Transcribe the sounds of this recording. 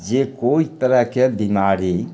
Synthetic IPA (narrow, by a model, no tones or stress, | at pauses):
d͡ʒekoːit̪əɾəɦkebimaːɾi